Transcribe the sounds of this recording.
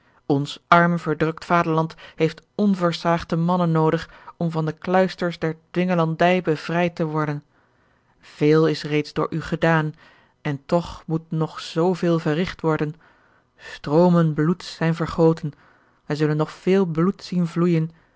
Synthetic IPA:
ɔnsɑɹmvəɹdrɵktfaːdəɹlɑntɦejftɔnvəɹsaːχtəmɑnənːowdəχɔmvɑndəklœɥstəɹsdɛɹdʋɪŋəlɑndɛjbəv̥rɛjtəʋɔɹdən | v̥eːlˠɪsrejtzdʊːɹʔyχədaːn | ɛntɔχmutnɔχz̥owvɪːlˠvərɪχtʋɔɹdən | stroːmənblutsɛjnvəɹχowtən | ʋɛjzɵlənːɔχfɪːlˠblutsinvlujən

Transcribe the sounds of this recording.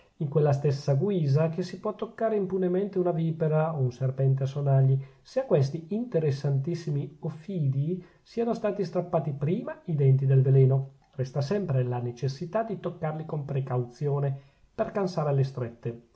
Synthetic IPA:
iŋkwelːast̪esːaɡwiːzakesipwɔt̪ːokːaːɾeimpunement̪eunaviːpeɾaounserpɛnt̪easːonaʎːi | seakːwest̪iint̪eɾesːant̪isːimiofiːd̪i | siːanost̪aːt̪ist̪ɾapːaːt̪ipɾiːmaid̪ɛnt̪̬id̪elvelɛːno | rɛst̪asɛmpɾelanet͡ʃesːit̪ad̪it̪okːarlikompɾekawt̪sjoːne | perkansaːɾealest̪ɾet̪ːe

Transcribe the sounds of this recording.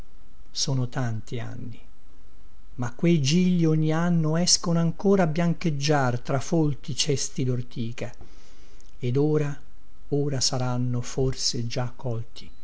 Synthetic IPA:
soːnot̪ant̪ia̰nːi | makːwejd͡ʒiʎːiɔɲːianːoɛskonoaŋkoːɾaːbjaŋked͡ʒːart̪ɾafolt̪it͡ʃɛst̪id̪ort̪iːka | ed̪oːɾa | oːɾasaɾanːoforsed͡ʒakʰːɔlt̪ʰi̥

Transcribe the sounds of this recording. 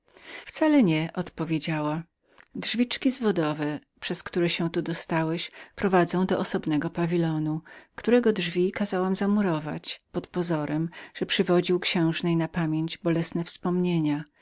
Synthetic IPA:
ft̪salɛɲɛʔɔt̪pɔvʲjed͡ʑawa | dʐvʲit͡ʂkʲizvɔd̪ɔvɛpʂɛskt̪uɾɛɕɛ̃t̪ud̪ɔst̪awɛɕpɾɔvad̪zɔ̃w̃d̪ɔʔɔsɔbnɛɡɔpavʲilɔnukt̪uɾɛɡɔdʐvʲikazawamzamuɾɔva̰t͡ɕpɔt̪pɔzɔɾʔɛmʐ̥ɛpʂɘvɔd͡ʑiwkɕɛ̃w̃ʐnɛjnapamʲjeɲd͡ʑbɔlɛsnɛfspɔmɲeɲa

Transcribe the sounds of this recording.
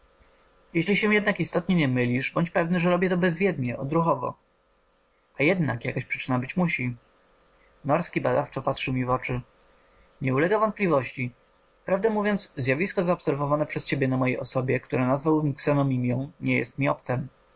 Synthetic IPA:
jɛɕlʲiɕɛjɛd̪nakist̪ɔt̪ɲɛɲɛmɘlʲiʐbɔɲt͡ɕpɛvnɘʐɛɾɔbʲjɛt̪ɔbɛzvʲjɛd̪ɲɛʔɔd̪ɾuxɔvɔ̰ | ajɛd̪na̰kjakɔɕpʂɘ̥t͡ʂɘnabɘt͡ɕmuɕi | nɔɾskʲibad̪aft͡ʂɔpat̪ʂɘwmʲivɔt͡ʂɘ | ɲɛulɛɡavɔnt̪̚plʲivɔɕt͡ɕi | pɾavd̪ɛmuvʲjɔnt̪szjavʲiskɔzaɔpsɛɾvɔvanɛpʂɛst͡ɕebʲjɛnamɔjejʔɔsɔbʲjɛkt̪uɾanazvawmʲiksɛnɔmʲimʲjɔ̃w̃ɲɛjɛ̰st̪mʲiɔp̚t̪sɛm

